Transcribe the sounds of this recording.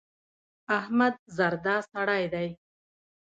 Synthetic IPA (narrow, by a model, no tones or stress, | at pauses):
ahmad̪̚zaɾd̪ɑsaɽɑjd̪aj